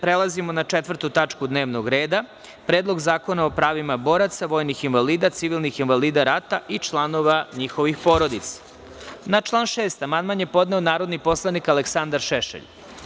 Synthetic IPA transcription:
pɾelˠazimo̞nat͡ʃet̪ʋr̩t̪ut̪at͡ʃkud̪neːʋno̞ɡɾe̞ːd̪a | pɾeːd̪lo̞ɡzaːko̞nao̞pɾaːʋimabo̞ːɾat̪saʋo̞ːjnixinʋaliːd̪at̪siʋilˠnixinʋaliːd̪aɾat̪aʔit͡ʃlˠano̞ʋaɲixoʋixpo̞ɾod̪it̪sḁ | nat͡ʃlˠaːnʃeːst̪amanmanjepo̞d̪neonaːɾo̞d̪nipo̞slˠanikaleksand̪aɾʃeʃḛʎ

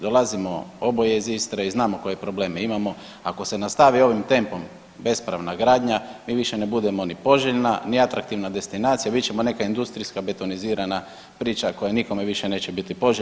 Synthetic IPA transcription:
d̪o̞lˠazimo̞̰o̞bojeizist̪ɾaiznaːmo̞ko̞jepɾo̞ble̞ːmeimamo̞ | ako̞senast̪aʋio̞ʋimt̪e̞mpo̞m | be̞spɾaʋnaɡɾaːd̪ɲamiːʋiʃe̞nebud̪e̞mo̞nipo̞ʒeʎnaniat̪ɾak̚t̪iʋnad̪e̞st̪inaːt̪sijabit͡ʃemo̞ne̞kaind̪ust̪ɾiskabe̞t̪oniziːɾana | pɾiːt͡ʃakojaniko̞meʋiʃene̞ːt͡ɕebit̪ipo̞ʒ

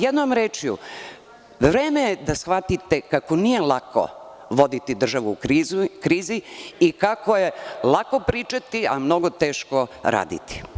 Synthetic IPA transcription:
jed̪nomɾeːt͡ʃijṵ | ʋɾeːmejed̪asxʋat̪it̪ekakonije̞lˠako̰ | ʋo̞d̪it̪id̪r̩ʒaʋuːizukɾiːziːkakojelˠako̞pɾiːt͡ʃat̪ia̰mno̞ɡot̪eːʃkoɾa̰ːd̪ḭt̪i̥

